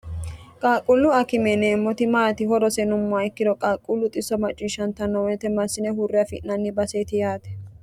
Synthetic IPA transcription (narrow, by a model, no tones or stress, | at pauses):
kʼaːkʼʊlːʊɐkɪmɛneːmːɔt̪ɪmaːt̪ɪhɔɾɔsɛnʊmːʊaɪkːɪd̪ɔkʼaːkʼːʊlːʊt̪ʼɪsɔmɐt͡ʃʼːiʃɐnt̪ːɐnːɔwɛt̪ɛmɐsːɪnɛhʊrːɛɐfɪ̰ʔnɐnːɪbɐseːt̪ɪjaːt̪ɛ̥